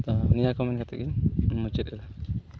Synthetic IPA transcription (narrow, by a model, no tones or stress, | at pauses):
t̪ɔnijakɔmɛnkat̪ɛ̰kiɲmut͡ʃɛt̪̚ɛla